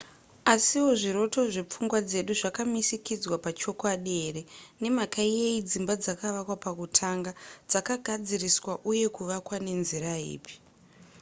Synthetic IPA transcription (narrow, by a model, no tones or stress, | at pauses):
asiwo̞ʐiɾo̞to̞ʐep͡fuŋɡwad͡ze̞ɗuʐakamisikid͡zwapat͡ʃo̞kwaɗeɾe̞ne̞makaieid͡zimbad͡zakaʋakwapakutʰaŋɡad͡zakaɡʱad͡ziriswaʔuje̞kuʋakwane̞nziɾaḭːpi̥